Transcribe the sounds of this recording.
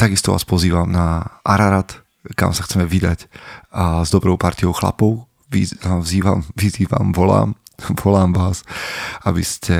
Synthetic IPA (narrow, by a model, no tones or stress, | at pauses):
t̪aɡist̪ɔʋʔa̰ːspɔziːʋamnaʔaɾaɾat̪ | ka̰msaxt͡sɛmɛʋid̪ac | zd̪ɔbɾɔʊpaɾt̪iɔʊxla̰pɔʊ | ʋivziːʋa̰mʋiziːʋa̰mʋɔla̰ːmʋɔlaːmʋaːsabiscɛ